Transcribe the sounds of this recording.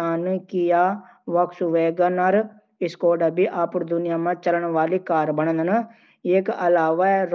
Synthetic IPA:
aːnkɪjaː | ʋəksuʋeːɡaːnaɾ | ɪskoːɖabiːʔaːpəɽd̪ʊnɪjaːmãːt͡ʃələɳʋaːliːkaːɾbəɳə̃d̪ən | ekəlaːʋaːɛɾ

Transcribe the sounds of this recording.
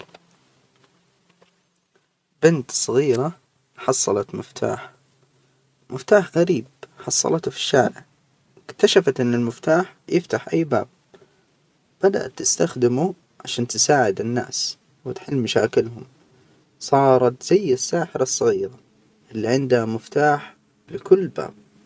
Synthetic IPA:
bɪnt̪sˤɨɣiːɾa | ħɑsˤːɑ̰lɑt̪mɪft̪ʰa̰ːħ | mɪft̪aːħɣaɾiːb̚ħɑsˤːɑ̰lɑt̪fi̥ʃːaːɾɪ̰ | ɪkt̪aʃafat̪ʔɪnːɪlmɪft̪aːħjɪft̪aħʔajːba̰ːb̚ | b̥ad̪a̰ʔat̪ːɪst̪axd̪ɪmu | ʕaʃaːnt̪ɪsaːʕɪd̪ɪnːa̰ːs | wɪt̪ħɪlːmaʃaːkɪlɦʊm | sˤɑːɾˤɑt̪z̥ajːasːaːħɪɾɑsˤːɨɣiːɾa | ʔɪlːiʕɪnd̪hamɪft̪aːħ | lɪkʊlːba̰ːb̥̚

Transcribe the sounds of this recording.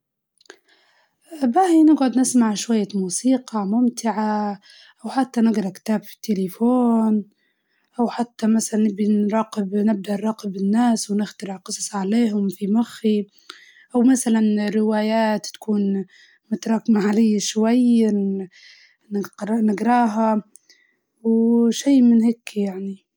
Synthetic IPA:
baːhinɪɡʕʊd̪nɪsmaʕʃwajːamuːsiːqɑmʊmt̪ɪʕa | ʔawħat̪ːanɪɡɾˤɑkt̪aːbfi̥t̪ːelefoːn | ʔawħat̪ːamasalanːɪbiɾˤɑːqɪbnɪb̚d̪aʔɾˤɑːqɪbɪnːaːswnɪxt̪ɑɾɪʕqɨsˤɑ̥sˤʕaleːɦʊmfimaxːi | ʔawmasalanɾɪwaːjaːt̪ːḁkuːn | mʊt̪ɾˤɑːkmaʕalɪjːaʃwajː | nnɪɡɾˤɑːɦa | wʃiːmɪnheːkjaʕni

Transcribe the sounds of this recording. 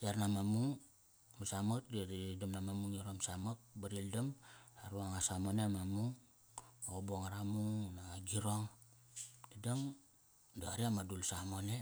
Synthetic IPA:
diaɾnamamuŋ | masamatddamnamamuŋiɾomsamak̚baɾildamaɾuaŋasamonemamuŋ | oboŋaɾamuŋnaɡiɾoŋ | didaŋ | doaɾiamadulsamone

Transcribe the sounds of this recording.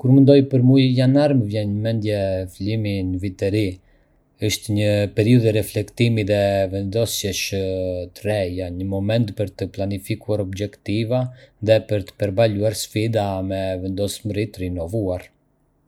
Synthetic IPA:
kuɾmənd̪ɔjpəɾmujjanaɾməvjɛnəmɛnd̪jɛfliminəvit̪ɛɾi | əʃt̪ɛɲəpɛɾiuðɛɾɛflɛkt̪imiðɛvɛnd̪ɔsjɛʃət̪ɾɛjaɲəmɔmɛnt̪pəɾt̪əplanifikuaɾɔbd͡ʒɛkt̪ivaðɛpəɾt̪ə̥pɛɾbaluaɾsfid̪amɛvɛnd̪ɔsməɾit̪ɾinɔvuaɾ

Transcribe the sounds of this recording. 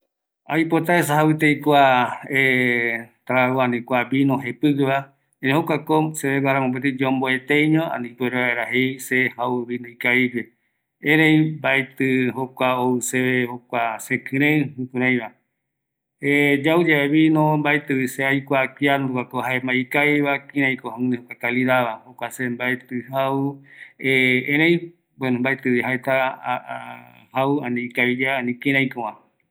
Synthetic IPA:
a̰jpot̪aesaɦawɨt̪ejkʷae | t̪aaoanĩkʷaβĩnõɦepɨkɨβa | ẽɾẽhokʷakoseβeβaɾamõp̬et̪id͡ʒomboet̪ejɲõã̰nĩpeɾeβaeɾahejsehawɨβinõĩkaid͡ʒe | ẽɾejmbaet̪ɨɦokʷaoɨseβehokʷasẽkɨ̃ɾ̃ẽɨ̃hɨ̃kũɾãj̃βa | ed͡ʒaud͡ʒaeβinõmbaet̪ɨβiseajkʷakiaɾukakoɦaemaikaiβakĩɾ̃ãj̃kohãnehokʷakaliɾaβahokʷasembaet̪ɨhaueẽɾej̃ | bwenõmbaet̪ɨβiɦaet̪a | hauanĩikaβid͡ʒaːnĩkĩɾ̃ãj̃kõwã

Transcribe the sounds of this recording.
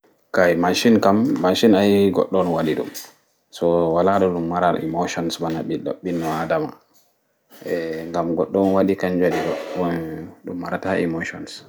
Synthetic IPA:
kajmaʃinkamːaʃinajɡɔ̰ɗːɔnwaɗiɗṵm | sɔwalaɗɔɗumːaɾaḭmoʃɔnsbanaɓiɗɔ̰ɓinːɔadama̰ | ɛŋɡamɡɔɗːɔnwaɗikaɲd͡ʒodiɗɔ | ɗumːaɾataimoʃɔns

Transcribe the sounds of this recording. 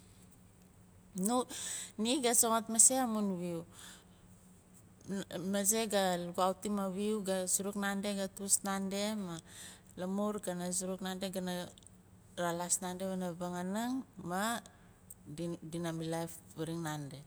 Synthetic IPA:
nuniɡasoŋatmaseamunβiu | maze̞ɡaluɡuawtimaβiuɡasuɾuknande̞ɡatusnande̞ma | lamuɾɡanas̬uɾuknandeɡana | ɾalasnandeβanabaŋanaŋma | dinamilafβaɾiŋnande̞

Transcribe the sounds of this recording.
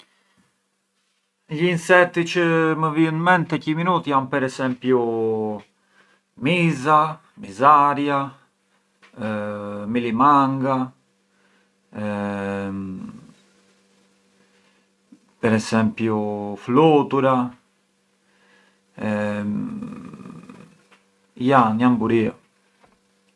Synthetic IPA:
ʎiːnsɛt̪ːit͡ʃəməviənmɛnt̪ɛciminut̪iampɛɾɛsɛmpju | miza | mizaɾja | milimaŋɡa | pɛɾɛsɛmpjufloːt̪uɾa | janiambuɾia

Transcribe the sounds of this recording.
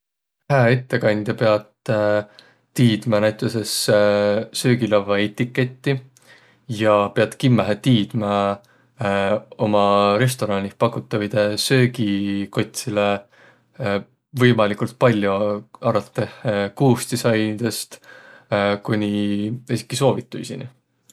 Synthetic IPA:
hæːe̞t̪ːe̞kɑnʲd̪̥jɑpe̞ɑd̪̥ | iːd̪̥mɑnæjt̪ˑese̞s | sø̞ːɡilɑvːɑet̪ːikːe̞t̪ʲːi | jɑpe̞ɑt̪kimːæɦet̪iːd̪̥mɑ | o̞mɑɾe̞st̪o̞ɾɑnʲipɑkːˑut̪ːˑɑvid̪esø̞ːɡiko̞t̪ʲsile | vɤjmɑlikult̪̚pɑlʲjoɑɾɑt̪ːe̞hekuːst̪isɑjnid̪̥e̞st̪ | kunʲiesi̥kːiso̞ːvit̪ːˑujsḭnḭ

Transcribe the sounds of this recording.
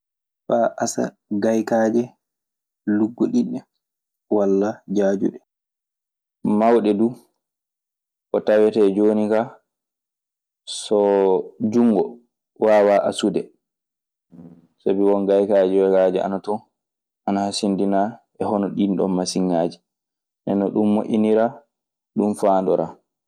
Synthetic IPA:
faːʔasa̰ | ɡajkad͡ʒɛ | luɡːoɗinːɛ | walːad͡ʒaːd͡ʒṵɗɛ | mawɗɛduː | ʔɔtawɛtɛd͡ʒoːnika | sɔd͡ʒuŋɡɔ | waːwaʔa̰sudɛ | sabiwɔnɡajkaːd͡ʒiwɛɡad͡ʒia̰natɔ | ʔanahasindinaʔɛhɔnɔɗinɗɔ̰nmasiŋːaːd͡ʒi | ʔɛnːɔɗumːoʔiniɾa | ɗumfaːndɔɾa

